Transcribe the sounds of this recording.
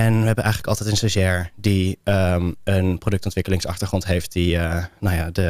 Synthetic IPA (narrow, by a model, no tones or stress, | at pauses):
ɛnʋəɦɛbənʔɛjχənləkɑlˠtɛjtənsəzɛɹdiəmənprodɵktɔntʋɪkəlɪŋsɑχtəɹχrɔntɦejft̚diənajaːdə